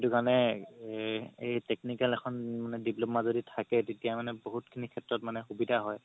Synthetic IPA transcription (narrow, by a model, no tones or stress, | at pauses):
itukaɹnɛ | ejteknikalɛkʰɔnmanɛdiplomazoditʰakɛtetijamanɛboɦutkʰinikʰɛtɹɔt̚manɛxubidʱaɦɔj